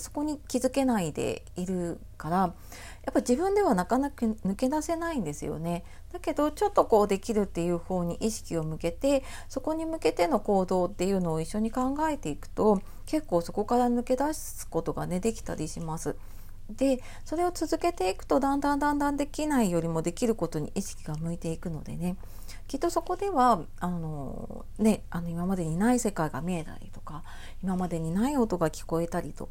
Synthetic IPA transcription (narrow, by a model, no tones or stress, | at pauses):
so̞̥ko̞ɲ̟ikʲizɨke̞naid̪e̞̰iɾɯ̟ | kaɾa | jʔapːaʑibɯ̟̃nd̪e̞βanakanakɯ̟nɯ̟ke̞d̪ase̞naĩnd̪e̞sɨ̰jo̞̰ne̞ | d̪̥ake̞d̪o̞t͡ɕo̞t̪ːo̞ko̞ːd̪e̞kʲiɾɯ̟t̪ːe̞jɯ̟ːhoːɲ̟iʔiɕi̥kʲio̞mɯ̟ke̞t̪e̞ | so̞ko̞ɲ̟imɯ̟ke̞t̪e̞no̞ko̞ːd̪o̞ːt̪ːe̞jɯ̟ːno̞ːiɕːo̞ɲ̟ikãŋɡae̞t̪e̞ikɯ̟̥t̪o̞ | ke̞kːo̞ːso̞ko̞kaɾanɯ̟ke̞d̪as | ɨ̥ko̞t̪o̞ɡa̰ne̞d̪e̞kʲi̥t̪a̰ɾʲiɕimasɨ | d̪̥e̞ | so̞ɾe̞o̞t͡sɨzɨke̞t̪e̞ikɯ̟̥t̪o̞d̪ãnd̪ãnd̪ãnd̪ãnd̪e̞kʲinaijo̞ɾʲimo̞d̪e̞kʲiɾɯ̟ko̞t̪o̞ɲ̟ḭʔiɕi̥kʲiɡamɯ̟it̪e̞ikɯ̟no̞d̪e̞̰ne̞ | kʲit̪ːo̞so̞ko̞d̪e̞βa | ano̞̰ | ne̞ano̞imamad̪e̞ɲ̟inaise̞kaiɡamʲiet̪a̰ɾʲḭt̪o̞ka | imamad̪e̞ɲ̟inaio̞t̪o̞ɡakʲi̥ko̞e̞t̪aɾʲit̪o̞̰k